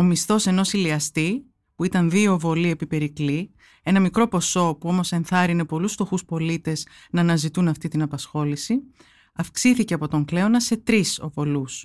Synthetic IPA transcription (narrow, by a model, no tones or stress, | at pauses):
o̞mist̪o̞se̞no̞siliɐst̪i | puit̪ɐnðio̞vo̞lie̞pipe̞ɾikli | e̞nɐmikɾo̞po̞so̞puo̞mo̞se̞nθɐɾine̞po̞lusft̪o̞xuspo̞lit̪e̞z | nɐːnɐzit̪unɐft̪it̪inɐpɐsxo̞lisi | ɐfksiθice̞ɐpo̞t̪o̞ŋkle̞onɐse̞t̪ɾiso̞̰vo̞lus